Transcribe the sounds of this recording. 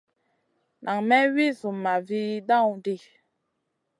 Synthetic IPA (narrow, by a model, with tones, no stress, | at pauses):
nʔa˨ŋmɛ˦wi˦zu˨ma˨vi˦dã˦˨wu˨di˦˨